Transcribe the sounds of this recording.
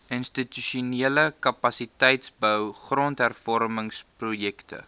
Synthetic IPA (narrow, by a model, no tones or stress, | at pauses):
ʔənstityʃuniələkɐpɐsitɛjtsbəwχrɔntɦærfɔrməŋsprujɛktʰə̰